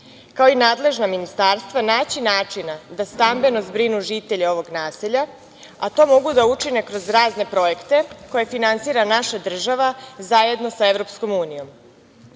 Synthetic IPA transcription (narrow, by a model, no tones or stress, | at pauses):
kao̞inaːd̪le̞ʒnaminist̪aɾst̪ʋanaːt͡ɕinaːt͡ʂinad̪ast̪ambe̞no̞zbɾinuʒit̪e̞ʎeo̞ʋo̞ɡnaːseʎa | at̪o̞ːmo̞ɡud̪aut͡ʂine̞kɾo̞zɾaːzne̞pɾo̞e̞kt̪e̞ko̞jefinant̪siːɾanaʃad̪r̩ʒaʋazaje̞d̪no̞saevɾo̞psko̞muːnijo̞m